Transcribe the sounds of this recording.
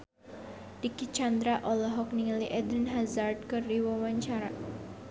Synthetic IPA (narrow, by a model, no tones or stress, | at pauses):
dikit͡ʃand̪ɾaʔɔlɔɦɔk̚niŋaliʔɛd̪ɾinɦazard̪̚kɨriwawaɲt͡ʃaɾa